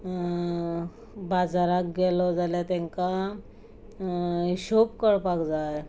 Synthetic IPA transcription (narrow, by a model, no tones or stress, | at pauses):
bad͡zaɾak̚ɡɛlɔd͡zaljat̪aŋka | ɕopkəɽpakd͡zaj